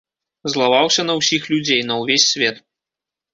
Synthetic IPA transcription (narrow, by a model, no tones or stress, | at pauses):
zlˠavawsʲɐnɐwsʲixlʲud͡zʲejnɐwvʲesʲːvʲɛt̪